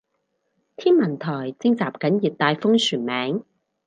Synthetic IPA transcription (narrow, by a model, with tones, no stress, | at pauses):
t̪ʰiː˥nmɐ˨˩nt̪ʰɔː˨˩jt͡sɪ˥ŋt͡saː˨˩p̚kɐ˨˥njiː˨˩t̚t̪aː˧jfʊ˥ŋsʰyː˨˩nmɛː˨˥ŋ